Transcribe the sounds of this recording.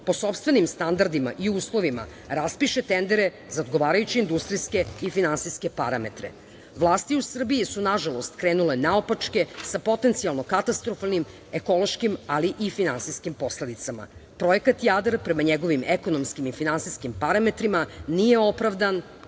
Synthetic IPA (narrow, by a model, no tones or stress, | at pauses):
po̞so̞pst̪ʋenimst̪and̪aɾd̪ima̰ʔiuːslˠo̞ʋima̰ | ɾaspiʃet̪end̪eɾe | zaod̪ɡo̞ʋaːɾajut͡ɕiːnd̪ust̪ɾiske̞ifinansiske̞paɾame̞̰t̪ɾḛ | ʋlˠaːst̪iusr̩biisunaʒalo̞st̪kɾeːnulenaopat͡ʂke̞sapo̞t̪e̞nt̪sialˠno̞kat̪ast̪ɾofalnim | eko̞lˠoʃkimaliʔifinansiskimpo̞sle̞d̪it̪sama̰pɾo̞jekat̪jad̪ɾpɾemaɲeɡo̞ʋimeko̞nomskimifinansiskimpaɾame̞t̪ɾimanijeo̞pɾaʋd̪an